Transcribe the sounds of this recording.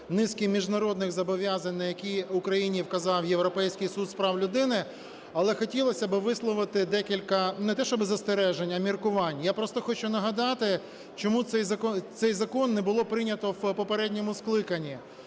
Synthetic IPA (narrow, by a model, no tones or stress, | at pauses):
nɪskʲimʲiʒnɐɾɔd̪nɪɣzɐbɔʋʲjazɐnʲnɐjɐkʲijʊkɾɐjinʲiwkɐzɑwjewɾɔpɛjsʲkɪjsut̪spɾɑwlʲʊd̪ɪnɪ | ɐlˠɛxɔtʲilˠɔsʲɐbɪʋɪslˠɔʋɪt̪ɪd̪ɛkʲilʲkɐnɛt̪ɛʃt͡ʃɔbɪzɐst̪eɾɛʒenʲɐmʲirkʊʋɑnʲjapɾɔst̪ɔxɔt͡ʃʊnɐɦɐd̪ɑt̪ɪ | t͡ʃɔmut̪sɛjzɐkɔt̪sɛjzɐkɔnːɛbʊlˠɔpɾɪnʲɐt̪ɔwpɔpeɾɛdʲnʲɔmʊsklˠɪkɐnʲːi